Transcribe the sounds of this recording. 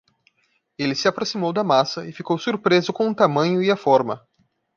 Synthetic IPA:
elɪsɪapɾosimowd̪ɐmasɐɪfikowsuɾpɾezʊkõʊt̪amɐ̃ɲʊɪafɔɾmɐ̰

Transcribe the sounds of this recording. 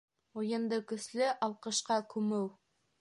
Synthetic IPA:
ujɤ̆nd̪ɤkɵ̆slɘʔɑlˠqɤ̆ʃqɑkʉmɘw

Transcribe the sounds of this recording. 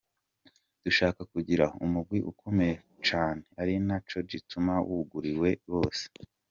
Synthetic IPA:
d̥uʃaːkakuɟiɾaumuɡ̚ɡwiʔṵkʰomeje | t͡ʃaːne̞aɾinat͡ʃo̞ɾɟitumawuɡuɾiwe̞βo̞ːse̥

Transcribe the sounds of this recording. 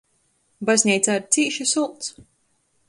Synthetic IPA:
bazʲnʲɛjt̪sad̪t̪siːʃisulˠt̪s

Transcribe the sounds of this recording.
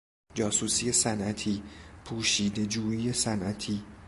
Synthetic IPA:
d͡ʒɒːsuːsiːe̞sænʔæt̪ʰiːpʰuːʃiːd̪e̞d͡ʒuːiːjesænʔæt̪ʰiː

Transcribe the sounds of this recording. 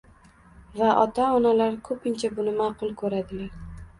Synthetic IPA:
vaʔɒt̪ʰaɒnalaɾkʰɵpʰɪnt͡ʃʰabʊnɪmaqʊlˠkʰɵɾad̪ɪlaɾ

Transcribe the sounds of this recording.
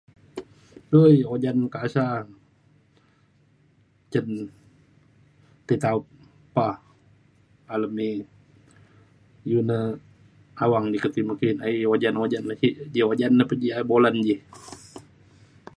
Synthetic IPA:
əjod͡ʒankasa | t͡ʃən | t̪it̪aut̚ | pah | aləmi | junə | awaŋdikət̪iməkinaiod͡ʒanod͡ʒanəkiʔd͡ʒiod͡ʒanːəpəd͡ʒiaboland͡ʒi

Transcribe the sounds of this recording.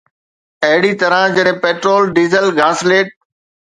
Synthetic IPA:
ɐɦɪɽit̪ɐɾãd͡ʑɐɗɦẽpeːʈɾoːlɖiːzəlɡaːsleːʈ̚

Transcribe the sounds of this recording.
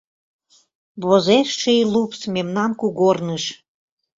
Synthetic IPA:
βozeʃʃejlupsmemnɑnkuɣornəʃ

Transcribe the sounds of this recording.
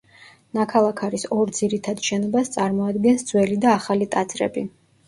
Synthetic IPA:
nakʰalˠakʰaɾisɔɾd̪ziɾit̪ʰad̪ʃɛnɔbast̪sʼaɾmɔad̪ɡɛnsd̪z̥wɛlid̪aːχalit̪ʼat̪sʰʼɾɛ̰bi

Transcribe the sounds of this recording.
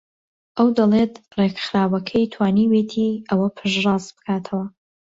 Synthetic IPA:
ʔɐwd̪ɐlˠet̪rekxɾaːwɐkʰɐjt̪ʰwaːniweːt̪ʰiːʔɐwɐpʰɨʒrɑːsbɨkʰaːt̪ʰɐwɐ

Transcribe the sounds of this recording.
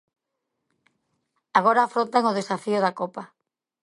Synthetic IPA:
aɣ̞oɾaːfɾõnt̪aŋoðesafiʊðakopa

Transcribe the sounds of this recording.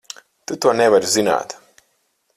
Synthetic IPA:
t̪ut̪uɔnevaɾuzina̰ːt̪

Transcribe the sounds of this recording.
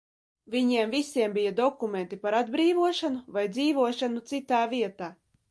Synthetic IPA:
vʲiɲiɛmvʲisʲiɛmbʲijad̪ɔkumʲent̪ipaɾad̪bɾiːvuɔʃanuvajd̪ziːvuɔʃanut̪sit̪aːvʲiɛt̪aː

